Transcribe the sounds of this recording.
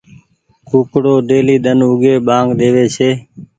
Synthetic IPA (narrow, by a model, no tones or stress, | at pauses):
kuːkɽoːɗ̪eːliːd̪ənʊɡeːɓãːŋɡɗ̪eːʋeːt͡ʃʰeː